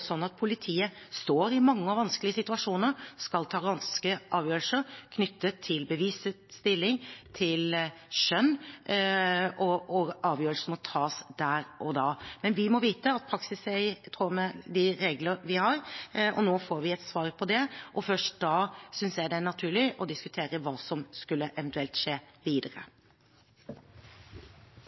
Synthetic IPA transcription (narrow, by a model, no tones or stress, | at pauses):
sɔnːɑt̪̚pʰʊlɪt̪ʰiːə | st̪oːɾɪmɑŋːəɔʋɑnskəlɪəsɪt̪ʉɑʂuːnəɾskɑlt̪ʰɑːɾɑnskəʔɑːʋjøːɾəlsəɾkʰnʏt̪ʰːət̪ʰːɪlbəʋiːsə | st̪ɪlːɪŋt̪ʰɪlʃœnː | ʔɔɔɑːʋjøːɾəlsəmɔt̪ʰɑːsd̪æːɾʔɔd̪ɑːmɛnʋɪmɔʋiːt̪əɑt̪̚pʰɾɑksɪsɛɪt̪ʰɾoːmɛd̪ɪɾeːɡləɾʋɪhɑɾɔnoːfoːɾʋɪɛt̪sʋɑːɾpʰɔd̪ɛʔɔfœʂtd̪ɑːsʏnsjæd̪ɛnɑt̪ʰʉːɭɪʔɔd̪ɪskʉt̪ʰeːɾəʋɑːsɔmskʉlːəʔɛʋənt̪ʉɛlt̪ʂeːʋiːd̪əɾə